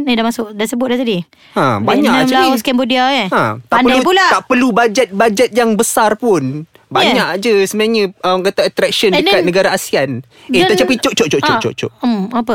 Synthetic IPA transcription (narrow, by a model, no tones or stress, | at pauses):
ədahmasʊʔdasəbʊt̪̚daht̪̬adi | ãbaɲakt͡ʃaiskɛmbodiaəãt̪aʔpəlapulat̪aʔpərlubad͡ʒɛt̪̚bad͡ʒɛt̪̚jaŋbəsarpʊn | baɲaʔd͡ʒəsəmnaɲəəmkat̪aat̪ɾɛk̚ʃəndəat̪̚nəɡaɾaasian | eat͡ʃapit͡ʃoʔt͡ʃoʔt͡ʃoʔot͡ʃo̰ʔt͡ʃo̰ʔapə